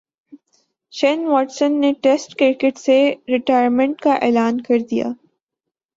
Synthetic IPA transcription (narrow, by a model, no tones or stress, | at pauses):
ʃɛnʋɔːʈsənːeʈesʈkɾɪɾkɪʈseɾɪʈaːjəɾmɪ̃ɳʈkaʔeːlaːnkɐɾd̪ija̰ː